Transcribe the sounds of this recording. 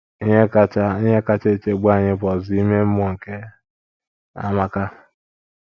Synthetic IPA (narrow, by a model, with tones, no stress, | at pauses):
i˦ɲe˦ka˦t͡ʃa˦i˦ɲe˦ka˦t͡ʃe˦˨t͡ʃe˦ɡ͡ba˦˨ɲɪ˦bɔ˨zi˦me˦m̩˦m˦ɔ˦˨ŋ̩˨ke˦ | a̰˨ma˨ka˦